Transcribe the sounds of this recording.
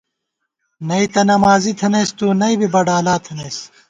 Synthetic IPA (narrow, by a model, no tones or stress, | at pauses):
nɐit̪ɐnɐmaːzit̪ʰɐnɐjst̪uːnɐibibɐɖaːlaːt̪ʰɐnɐːs